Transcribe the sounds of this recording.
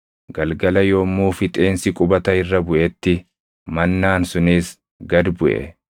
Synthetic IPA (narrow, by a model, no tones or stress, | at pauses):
ɡɐlɡɐlɐjoːmːuːfɪt̪ʼe̞ːnsɪkʼʊbɐt̪ɐɪrːɐbʊʔɛt̪ːɪ | mɐnːaːnsʊniːs | ɡɐd̪bʊʔɛ̰